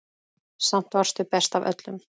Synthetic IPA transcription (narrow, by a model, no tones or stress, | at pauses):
sam̥t̪var̥st̪ʏpɛst̪avœ̰t̪lʏm